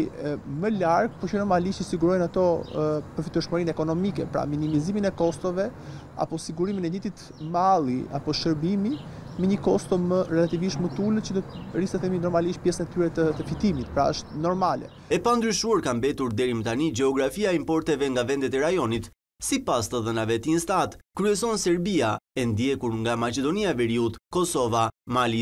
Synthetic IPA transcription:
məlaɾk̚pɔt͡ʃənɔɾmaliʃt̪əsiɡuɾɔjnat̪ɔpəɾfit̪uʃməɾinɛkɔnɔmikɛ̰pɾa̰minimiziminɛkɔst̪ɔvɛ | a̰pɔsiɡuɾiminɛdit̪it̪ | malˠia̰pɔʃəɾbimi | mɛɲəkɔst̪ɔmərɛlat̪iviʃt̪mət̪ulət͡ɕəd̪ɔt̪rist̪ɛθɛminɔɾmaliʃt̪̚pjɛsənɛt̪yɾɛt̪ət̪əfit̪imit̪pɾa̰əʃt̪nɔɾmalɛ̰ | ɛpand̪ɾyʃuaɾkambɛt̪uɾd̪ɛɾimət̪anid͡ʒɛɔɡɾafiaɛimpɔɾt̪ɛvɛŋɡavɛnd̪ɛt̪ɛɾajɔnit̪ | sipast̪əðənavɛt̪inst̪aat̪kɾyɛs̬ɔnsɛɾbiaɛnd̪jɛkuɾŋɡamat͡ʃɛd̪ɔniavɛɾiut̪kɔsɔvamali

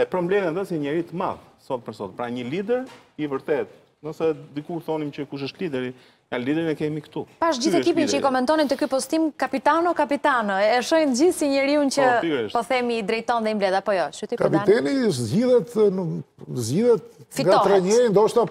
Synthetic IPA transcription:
ɛpɾɔmblɛmɛnd̪ɔsɛɲɛɾit̪əma̰ðsɔt̪̚pəɾsɔt̪pɾaɲəlid̪ɛɾivəɾt̪ɛt̪̚ | nəsɛd̪ikuθɔnimt͡ʃəkuʃ̬əʃt̪lid̪ɛɾi | anlid̪ɛɾinɛkɛmikt̪upaʃd͡ʑiθɛkipint͡ʃəikɔmɛnt̪ɔnit̪əkypɔst̪imkapit̪anɔkapit̪anɔɛʃɔjnt̪əɟiθsiɲɛɾiunt͡ɕəʃpɔθɛmid̪ɾɛjt̪ɔnðɛimblɛðapɔjɔʃyt̪ikapiɛnizɟiðɛt̪nzd͡ʒiðɛt̪fitɡaɔɾɛɲɛnd̪ɔʃt̪a

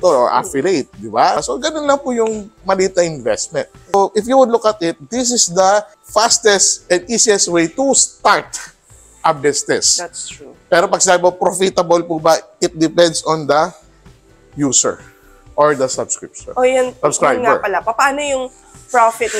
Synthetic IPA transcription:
t̪oo̰ɹʔa̰fɪlejt̪̚d̪ɪbasoɡɐnonlɐŋpʊjʊŋmɐliːt̪ɐʔɪnvɛst̪̚mɛ̃nt̪̚oʔɪfjuwʊd̪lʊkɐt̪ɪt̪̚d̪is̬ɪsd̪ɐ | fast̪ɛst̪ɛnd̪iːsiɛst̪wejt̪ust̪aɹt̪ | ʔab̚dɛst̪ɛst̪ɹupɛːɾopɐɡ̚sɪnaːbɪopɾofɪt̪ɐbɐlpubɐɪt̪̚d̪ɪpɛnd̪sɔ̃nd̪ɐ | juːsɛ̰ɹ | ʔoɹd̪ɐsɐbskɹɪ̰p̚ʃɔ̰̃nojʊnsɐbskɹajŋaɛ̰ɹpɐlapɐpaːnojʊŋ | pɹofɪt̪̚

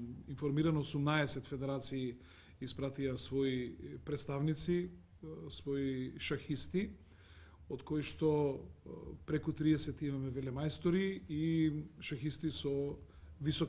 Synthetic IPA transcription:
infoɾmiɾanɔosumnaɛsɛt̪fɛd̪ɛɾat̪siː | ispɾat̪iasvɔipɾɛt̪st̪avnit̪si | svɔiʃaxist̪i | ot̪kojʃt̪ɔ | pɾɛkut̪ɾiɛsɛt̪imamɛvɛlɛmajst̪oɾiiʃaxist̪isɔvisɔk

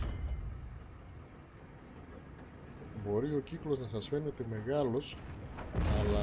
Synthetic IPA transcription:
bo̞ɾio̞ciklo̞znɐsɐsfe̞ne̞t̪e̞me̞ɣɐlo̞s | ɐlɐ

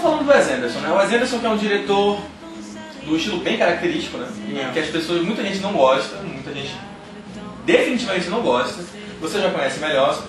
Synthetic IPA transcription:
falɐ̃nd̪ʊd̪ʊɛzẽd̪eɾsõnɛʊɛzẽd̪eɾsõw̃kɪɛũd͡ʒiɾet̪oɾ | d̪ʊɪʃt͡ʃilʊbẽj̃kaɾak̚t̪eɾiʃt͡ʃi̥kʊnɛ̃ɛkɪɐʃpesoɐʃmũj̃t̪ɐʒẽnt͡ʃɪnɐ̃w̃ɡɔʃt̪ɐmũj̃t̪ɐʒẽnt͡ʃɪ̥ | d̪efinitt͡ʃivɐmẽnt͡ʃɪnɐ̃w̃ɡɔʃt̪ɐ | voseʒakõɲɛsɪmeʎɔɾ

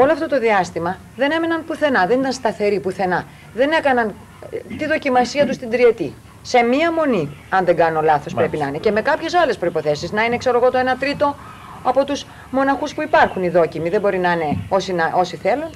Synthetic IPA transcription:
oloɐft̪o̞t̪o̞ðiɐst̪imɐ | ðe̞ne̞me̞nɐnpuθe̞nɐðe̞nit̪ɐnst̪ɐθe̞ɾipuθe̞nɐ | ðe̞ne̞kɐnɐn | t̪iðo̞cimɐsiɐt̪ust̪ind̪ɾie̞t̪i | se̞miɐmo̞niɐnðe̞ɡɐnolɐθo̞spɾe̞pinɐinece̞me̞kɐpçe̞sɐle̞spɾoipo̞θe̞siznɐine̞kse̞ɾo̞ɣo̞t̪o̞e̞nɐt̪ɾit̪o̞ | ɐpo̞t̪us | mo̞nɐxuspuipɐɾxuniðo̞cimiðebo̞ɾinɐine̞o̞sinɐʔo̞siθe̞lun

